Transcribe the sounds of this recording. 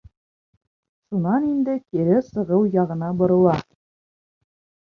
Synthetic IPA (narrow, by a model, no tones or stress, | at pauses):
ʃunɑnind̪ɘkiɾɘsɤ̆ʁɤwjɑʁɤ̆nɑbŏɾɤ̆lˠɑ